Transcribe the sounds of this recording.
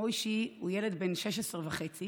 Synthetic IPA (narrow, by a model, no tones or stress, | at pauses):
oiʃiujeled̪benʃeʃesʁvaχet͡si